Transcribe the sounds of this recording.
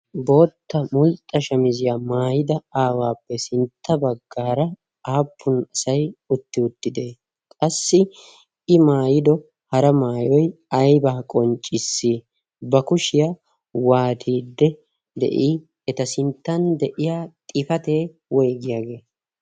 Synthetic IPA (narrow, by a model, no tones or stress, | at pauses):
bo̞ːt̪ːɐmʊlt̪ʼːɐʃɐmɪzɪjaːmaːjɪd̪ɐaːwaːpːɛsɪnt̪ʰːɐbɐɡːaːɾɐ | aːpʰːʊnɐsɐjʊt̪ːɪʊt̪ːɪd̪e̞ː | kʼɐsːɪ | ɪmaːjɪd̪ɔ | hɐɾɐmaːjɔj | ɐjbaːkʼɔnt͡ʃʼːɪsːi | bɐkʊʃɪja | waːt̪ʰiːd̪ːɛ | d̪ɛ̰ʔiː | ɛt̪ɐsɪnt̪ːɐnd̪ɛʔɪjaːt̪ʼɪfɐt̪eː | wɔjɡɪjaːɡe̞ː